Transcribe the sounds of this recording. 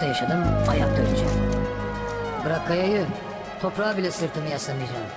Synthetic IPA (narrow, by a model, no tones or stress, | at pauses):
ajaʃad̪ɯmajak̚d̪ølyt͡ʃd͡ʒʰɛ | bɯɾakʰːajajɯ | t̪ʰo̞pɾaːbilʲɛsɯɾt̪ʰɯmɯjaʃlˠamɯjd͡ʒaːm